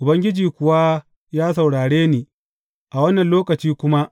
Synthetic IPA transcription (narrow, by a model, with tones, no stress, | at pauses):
ʔʊ˨bɐ˦ŋɡʲɪ˦d͡ʒiː˨kʷʊ˨wa˦ | jaː˦sɐ˨wɽaː˨ɽeː˦niː˨ | ʔa˨wɐ˦nːɐ˨nloː˦kɐ˨t͡ʃiː˦kʷʊ˦ma˦ʔ